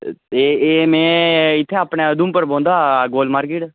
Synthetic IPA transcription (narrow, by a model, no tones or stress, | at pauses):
eːeːmɛ̃ːɪt̪ʰːeaːpɳeəd̪ũːmpəɾbõːnd̪aːɡoːlmaːɾkɪʈ